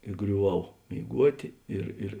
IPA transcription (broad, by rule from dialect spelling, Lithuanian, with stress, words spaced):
ɪ ɡrʲʊˈʋɐʊ mʲeːɪˈɡuɔtʲeː ˈɪr ɪr